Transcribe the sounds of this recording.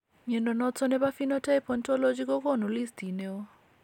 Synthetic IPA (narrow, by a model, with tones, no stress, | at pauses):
mɛ˨ndɔ˨nɔ˦t͡sʰɔ˦nɛ˦ba˦fi˦nɔ˦tʰa˦ɛ˦pʰɔ˨ntʼɔ˦lo˦d͡ʒi˦kɔ˦kɔ˦nɔ˨li˦sti˨nɛ˦ɔ˦